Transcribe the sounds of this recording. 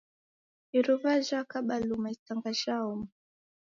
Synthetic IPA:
iɾuvaʒakaɓalumaitaŋɡaʃaumu

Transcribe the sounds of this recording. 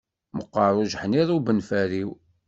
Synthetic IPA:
məqːəɾˤuʒħniðˤubənfæɾiw

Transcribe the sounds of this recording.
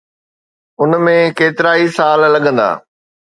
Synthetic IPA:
ʊnmẽkeːt̪ɪɾaːisaːllɐɠə̃nd̪a̰ː

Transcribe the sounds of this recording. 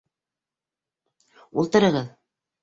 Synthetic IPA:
ulˠt̪ɤ̆ɾɤ̆ʁɤð

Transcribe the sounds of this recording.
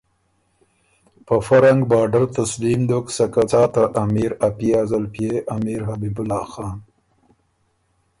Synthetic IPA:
pəfaɾaŋɡbɑːɖaɾt̪aslimd̪oksakat͡sɑːt̪aʔːmiɾapiazalpijeʔamiɾɦabibʊlɑːxɑːn

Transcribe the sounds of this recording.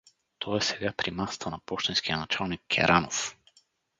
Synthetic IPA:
t̪ʰɔɛsɛɡapɾimast̪ʰanapɔʃt̪inskijanat͡ʃalˠnikːʲɛ̰ɾʔanof

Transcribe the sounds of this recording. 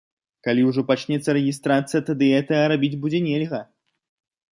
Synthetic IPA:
kalʲiwʐɔpat͡ʂnʲɛt̪sːɐɾɛɣʲist̪ɾat̪sɨjɐt̪ad̪ɨɣɛt̪ɐɐɾabʲid͡zʲbud͡zʲɛnʲɛlʲɣɐ

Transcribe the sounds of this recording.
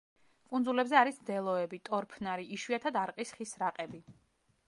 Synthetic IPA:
kʼunzulɛbzɛaɾisd̪ɛlˠɔɛbit̪ʼɔɾpʰnaɾiiʃwiat̪ʰad̪aɾqʼisχisɾaqʼɛbi

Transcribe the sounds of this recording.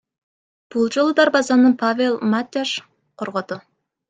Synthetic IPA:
b̥ulˠd͡ʒolˠud̪ɑɾbɑzɑnɯpʰavʲelˠmat̪ʲːaʃ | qʰoɾʁod̪ʊ

